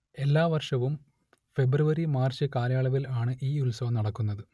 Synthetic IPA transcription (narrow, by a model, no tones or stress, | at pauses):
e̞lːaːʋɐrʂɐʋum | fe̞brɨʋɐɾimaːrt͡ɕːɨkaːɾjaːɭɐʋilaːɳɨʔiːulsɐnɐɽɐkːunːɐðɨ